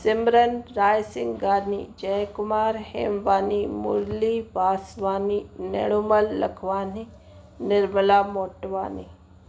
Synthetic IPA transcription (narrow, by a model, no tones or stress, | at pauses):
sɪmɾənɾaːjsɪ̃ŋɡɡaːnid͡ʒɛjkʊmaːɾhḛːmʋaːnimʊ̰ɾliʋaːsʋaːninḛɽ̃uməlːɐ̰kʰʋaːni | nɪɾməlaːmoːʈʋaːni